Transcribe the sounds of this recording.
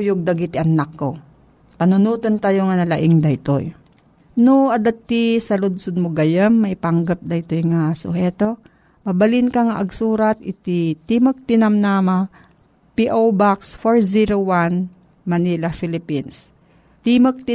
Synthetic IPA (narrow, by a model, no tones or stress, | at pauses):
jʊɡ̚d̪ɐɡit̪ɪʔɐnːakːo | pɐnʊnuːt̪ont̪aːjoŋɐnɐlɐʔɪŋd̪ɐɪt̪o̰j | noʔɐd̪ɐt̪ːisɐlʊd̪sʊd̪̚moɡɐjɐmːɐʔɪpaɐŋɡɐp̚d̪ɐt̪ojŋasʊ̰hɛːt̪o̞ | mɐbɐlɪnkɐŋɐʔɐɡsuːɾɐt̪̚ʔɪt̪it̪imək̚t̪ɪnɐmnama | piʔowbaksfoɹziɾowan | mɐnilɐfɪlɪpins | t̪imɐk̚t̪ɪ